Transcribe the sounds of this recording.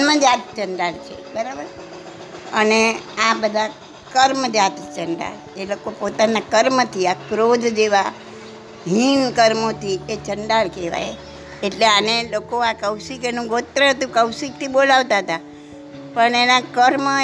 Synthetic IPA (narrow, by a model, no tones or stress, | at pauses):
məd͡ʒat̪̚t͡ʃəɳɖalt͡ʃʰḛbəɾabəɾ | əneabəd̪ʱa | kəɾməd͡ʒat̪t͡ʃəɳɖa̰l | elokopot̪anakəɾmət̪ʰiakɾod̪ʱd͡ʒeʋa | ɦinkəɾmot̪ʰiet͡ʃəɳɖaɭkeʋa̰j | eʈleanelokoakəwsikenũɡot̪ɾəət̪ũkəwsik̚t̪ʰibolaʋt̪aɦət̪a | pəɳenakəɾm